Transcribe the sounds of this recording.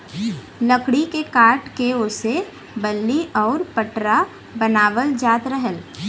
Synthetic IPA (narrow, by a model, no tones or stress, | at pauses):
ləkɽikekaːʈkeʊse | bəlːiʔɔːɾpəʈɾa | bənaːʋəld͡ʒaːt̪ɾəɦəl